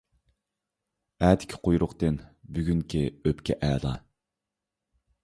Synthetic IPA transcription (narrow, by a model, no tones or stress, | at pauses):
æːd̪ʰɪ̥kʲʰɪ̥qʰojɾʊqt̪ɨnbyɡʲyŋkʲʰiøpkʲʰɛ̰ʔɛːlˠɑ̰